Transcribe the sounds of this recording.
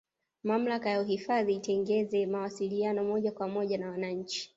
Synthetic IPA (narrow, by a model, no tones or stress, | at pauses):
mam̩lakajauɦifaðiːtɛŋɡɛzɛmawasilianɔmɔʄakwamɔʄanawanaɲ̩t͡ʃi̥